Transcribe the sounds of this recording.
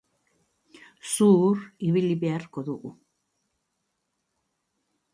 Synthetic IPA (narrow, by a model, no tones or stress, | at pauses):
suːɾiβilibiarkʰɔd̪uʔu